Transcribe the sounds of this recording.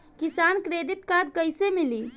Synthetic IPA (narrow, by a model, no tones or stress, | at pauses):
kisankɾed̪it̪kad̪kəjsemili